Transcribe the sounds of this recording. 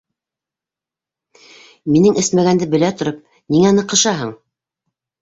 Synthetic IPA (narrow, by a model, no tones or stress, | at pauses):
minɘŋʔɘsmæɡænd̪ɘbɘ̆læt̪ŏɾɤp̚ | niŋænɤ̆qɤ̆ʃɑɦɤɴ